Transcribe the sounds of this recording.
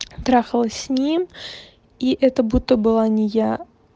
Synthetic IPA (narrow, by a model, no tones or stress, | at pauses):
t̪ɾaxəlˠəsʲnʲim | iʔɛt̪əbut̪ːəbɨlˠanʲɪja